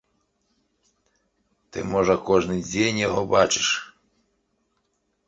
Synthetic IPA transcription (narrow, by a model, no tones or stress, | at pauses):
t̪ɪ̰mɔʒɐkɔʒnɪjd͡zʲenʲjɔɦɔbat͡ʃɪ̥ʃ